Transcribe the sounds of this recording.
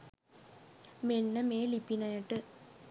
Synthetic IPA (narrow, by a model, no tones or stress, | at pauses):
menːɐmeːlipːinɐjɐʈːɨ